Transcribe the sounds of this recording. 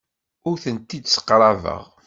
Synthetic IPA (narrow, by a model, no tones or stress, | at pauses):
ʊɾθənt̪ːid̪sə̥qɾˤɑvə̰ʁ